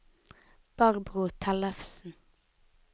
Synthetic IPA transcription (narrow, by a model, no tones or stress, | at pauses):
b̥ɑʁbʁʊt̪ʰælɛfsn̩